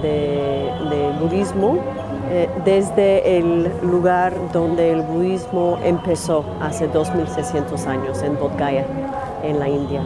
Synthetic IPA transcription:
de | d̪elβuðizmo | d̪ezðe̞ːlːuɣaɾðõ̞nd̪e̞ːlβuðizmoʔḛmpe̞so̞ | ase̞ðo̞zmilsejsje̞nt̪osaɲose̞nbot̪ɡaja | enlaĩnd̪ja

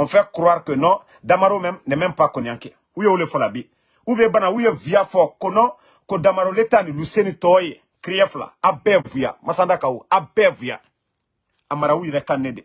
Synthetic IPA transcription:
ɔ̃fɛkuɾoaɾkenɔ | damaɾomɛ̃mnɛmɛ̃mpakonĩjãŋkɛ | ujewolefɔlabi | ubɛbanaujevijafɔkonɔ | kodamaɾoletanĩlusẽnĩtɔje | kɾiɛfula̰abɛːvuja̰masãndakaoabɛːvuja̰ | amaɾaujɛɾɛkãnẽde

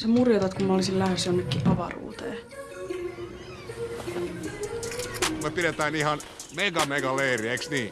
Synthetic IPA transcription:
semurjot̪ɑt̪kummɑolisillæhøsjonːekːipɑʋɑ̰rṵːt̪ḛː | umepiɾet̪æːnihɑn | meɡɑmeɡɑleːrieksniː

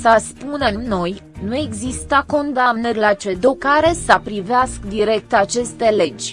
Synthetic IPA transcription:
saspune̞mno̞j | nue̞ɡzist̪əko̞nd̪amnərʲlat͡ʃe̞d̪okaɾe̞sapɾiveaskd̪iɾe̞k̚t̪at͡ʃe̞st̪e̞le̞d͡ʒʲ

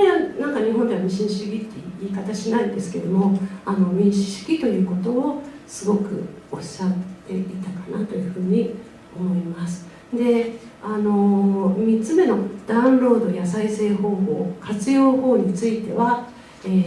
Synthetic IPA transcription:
eanãŋkaɲ̟iɦõ̞nd̪e̞βamʲiɕĩɲɕiɡʲit̪ːe̞iːkat̪aɕinaĩnd̪e̞sɨ̥ke̞̰d̪o̞mo̞ano̞mʲĩɰ̃ɕi̥ɕɨ̥ɡʲit̪o̞jɯ̟ːko̞t̪o̞ːsɨɡo̞kɯ̟̰o̞ɕat̪ːe̞ʔit̪akanat̪o̞jɯ̟ɸɯ̟ːɲ̟i | o̞mo̞imasɨ̥ | d̪e̞ano̞mʲit͡sɨme̞no̞d̪̥aɯ̟̃nɾo̞ːd̪o̞jasaise̞ːho̞ːho̞̰ːkʰat͡sɨjo̞ːho̞ːɲ̟it͡sɨit̪e̞βa | eː

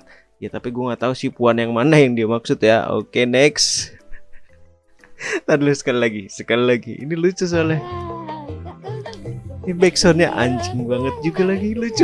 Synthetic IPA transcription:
jat̪apiɡuaŋat̪ausipuanjaŋmanajaŋdiamaksʊt̪ja̰o̰kenɛks | t̪adlʊsə̥kalilaɡisəkalilaɡiʔḭnilut͡ʃʊsolɛh | nibaiksɔnɲaʔa̰ɲt͡ʃɪŋbaŋət̪̚d͡ʒuɡalaɡilut͡ʃʊ

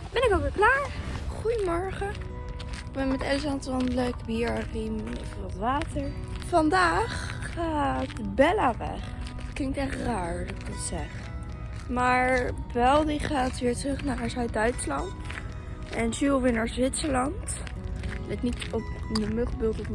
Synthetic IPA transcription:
bɛnɪkokʋɪklaːɹχujəmɔɹχə | ɪɡ̚bɛnmɛtɛls̬ɑntɑnələkbiɹarimevəʋɑtʋaːtəɹfɑndaːχːaːtbɛlaʋɛ̰χ | tklɪŋktɛχtraːɹdɑtɪkɡ̚dɑtsɛχ | maːɹbɛlˠdiχaːtʋɪːɹtrɵχnaːrəsɦœɥ̚dœɥtslɑnt | ɛnsylˠʋɪɹnaɹzʋɪtsəlɑnt | lɛknitɔpdəmɵχbɪlˠtət

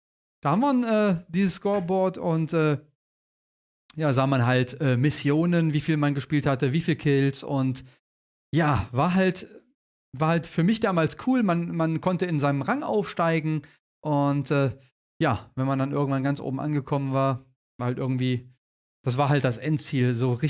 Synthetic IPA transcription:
d̥aːhamvinʔɛːd̥iːzəskɔːɐbɔɐtʊntʔɛː | jaːzaːmanɦaltʔɛːmɪsjoːnənviːfiːlmanɡəʃpiːlthatəviːfiːlkʰɪlsʊ̰nt | jaːvaːɐɦalt | vaːɐhaltfyːɐmɪçd̥aːmaːlskʰuːlmanmankʰɔntəɪnzaɪnəmʁaŋʔa̰ʊfʃtaɪɡŋ̩ | ʔʊntʔɛː | jaːvɛnmandanʔɪ̰ɐɡŋ̩tv̥anɡant͡sʔo̰ːbm̩ʔa̰nɡəkʰɔmənvaːɐ | vaːɐhaltʔɪ̰ɐɡŋ̩tv̥iː | d̥asv̥aːɐɦalt̚d̥asʔɛntt͡siːlzoːʁɪ

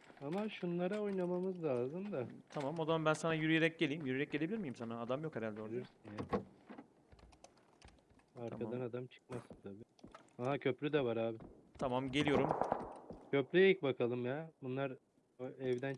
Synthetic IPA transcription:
amaʃunlˠaɾao̞jnamamɯzlˠaːzɯmd̪at̪ʰamamo̞zamabænsanajyɾyjeɾɛc̚ɟe̞lʲijːimjyɾyjɛc̚ɟe̞lʲebilʲiɾmijimsanaːd̪amjo̞kheɾalʲd̪ɛooɾsunja | aɾk̪ʰaanad̪amt͡ʃʰɯ̥k̚masɯnt̪ʰabi | aɦacʰø̞plʲyd̪ɛvaɾaːbɪt̪ʰamamɟe̞lʲijo̞ɾum | cʰøplʲyjejik̚bakʰalˠɯmjabunlˠaɾ | ɛvd̪æn

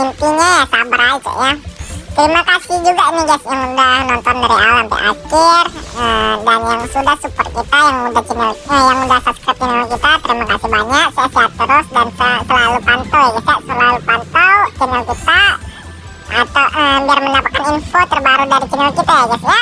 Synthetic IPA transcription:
pənt̪uɲajasabɾalt̪a̰ʔjat̪əɾimakasɪhd͡ʒuɡamiɡasjaŋməndahnant̪andaɾuʔa̰lant̪o̰ʔa̰t̪ʊrəbamɔnsudahsəpər̚kit̪ajaŋmədat͡ʃənaləjaŋməndasaskat̪̚ənakit̪at̪əɾimakasibaɲəʔsaʔsap̚t̪əɾʊsdant̪at̪əlalupant̪alat̪usaʔt̪əlalupant̪alt͡ʃənəlkit̪a | t̪aʔədərməɲapat̪̚kaninfot̪ərbaɾudaɾit͡ʃənalkit̪aad͡ʒaswa

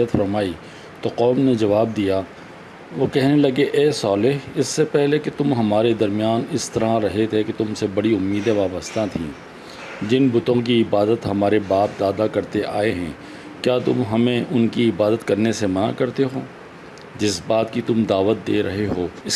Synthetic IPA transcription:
ət̪fɐɾmaːi | t̪oqɔːmned͡ʒɐʋaːb̚d̪ija | ʋoːkɛɦnelɐɡeʔɛːsɔːleɦɪsːepɛɦleket̪ʊmɦɐmaːɾed̪ɐɾmijaːnɪst̪ɐɾãɾɐɦet̪ʰeket̪ʊmsebɐɽiʊmːiːd̪ẽʋaːbəst̪ʰãt̪ʰḭ̃ː | d͡ʒɪnbʊt̪õk̬iɪbaːd̪ət̪ɦɐmaːɾebaːp̚d̪aːd̪akɐɾt̪eʔa̰ːeɦɛ̃ː | kjaːt̪ʊ̰mɦɐmẽʔʊnkiɪbaːd̪ət̪kɐɾnesemɐna̰kɐɾt̪eɦoː | d͡ʒɪsbaːt̪kit̪ʊmd̪aːʋət̪̚d̪eːɾɐɦeɦoːɪs

